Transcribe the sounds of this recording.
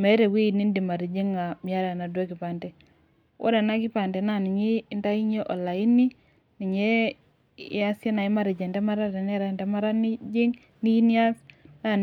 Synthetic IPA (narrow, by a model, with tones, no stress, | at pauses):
mɛ˨˦ɾe˨wi˦˨ni˦ndi˨ma˨ɾi˨d͡ʒi˦ŋa˨mi˨a˦ɾa˨na˨dwe˦kɪ˨pa˨ndɛ˨ | wʔo̰˦da˨na˦kɪ˦pa˨ndɛ˨na˦˨nɪ˨ɲi˦nta˦i˦ɲe˦ʔo˨la˨i˦ni˦ | ni˨ɲḛ˦ | a˦se˦na˨ɪ˦ma˦ɾɪ˨d͡ʒɛ˨ntɛ˦ma˦ɾa˦tɛ˨n˦a˦˨ɾa˨n˨tɛ˦ma˦ɾa˦ni˦d͡ʒɪ˦ŋ | ni˦i˦ni˦a˦sna˦˨